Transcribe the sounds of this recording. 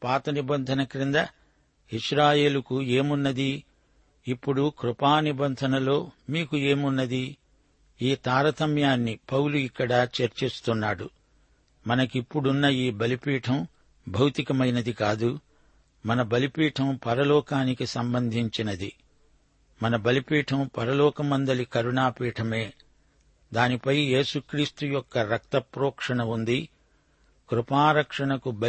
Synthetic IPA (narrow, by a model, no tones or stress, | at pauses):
paːt̪ɐnibɐnd̪ʱɐnɐkɾind̪ɐ | iʂɾaːje̞ːlukue̞ːmunːɐd̪iː | pːuɽukɾupaːnibɐnd̪ʱɐnɐlo̞ːmiːkue̞ːmunːɐd̪i | iːt̪aːɾɐt̪ʰɐmjaːnːipɐwluikːɐɽɐt͡ʃɐɾt͡ʃist̪unːaːɽu | mɐnɐkipːuɽunːɐiːbɐlipiːʈʰɐm | bʱɐwt̪ikɐmɐjnɐd̪ikaːd̪u | mɐnɐbɐlipiːʈʰɐmpɐɾɐlɔːkaːnikisɐmbɐnd̪ʱiɲt͡ʃinɐd̪i | mɐnɐbɐlipiːʈʰɐmpɐɾɐlɔːkɐmɐnd̪ɐlikɐɾuɳaːpiːʈʰɐme̞ː | d̪aːnipɐjje̞ːsukɾiːst̪ujɔkːɐɾɐk̚t̪ɐpɾɔːkʂɐɳɐund̪i | kɾupaːɾɐkʂɐɳɐkubɐ